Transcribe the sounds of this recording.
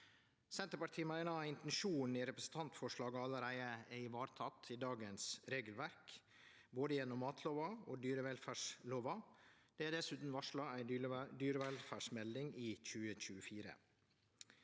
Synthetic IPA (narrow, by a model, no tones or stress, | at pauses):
sɛnt̪əɾpɑʈ̪ʰiːmæɪnɑɑɪnt̪ɛn̩ʃuːnn̩ɪɾɛpɾəsn̩t̪ʰɑnt̪fɔʂɭɑːɡəɑlːəɾæɪəɛɪʋɑːɾt̪ʰɑt̪ʰɪd̪ɑːɡənsɾeːɡəlʋæɾk | boːd̪əjɛnːɔmːɑːt̪ʰloːʋɑo̰ːd̪yːɾəʋɛlfæːʂloːʋɑd̪̥ɛæd̪ɛsʉːt̪n̩ʋɑʂɭɑæɪd̪yːɾəʋɛlfæːʂmɛld̪ɪŋiːc͡çʉːəc͡çʉːəfiːɾə̰